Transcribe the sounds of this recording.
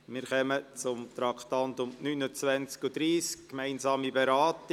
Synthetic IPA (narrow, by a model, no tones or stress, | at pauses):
mɪːɾχœmət͡sʊmt̪ɾɑktɑntʊmnyːnət͡svænt͡skudɾiːskːmæɪnzɑːmibeɾaːt